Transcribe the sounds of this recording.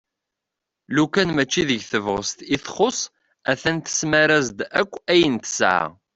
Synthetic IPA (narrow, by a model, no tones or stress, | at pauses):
lukænmæt͡ʃːiðəʝθəvʁəst̪iθχʊsˤ | æθænt̪ə̥smæɾæzd̪ækʷːæjənt̪ə̥sʕ̰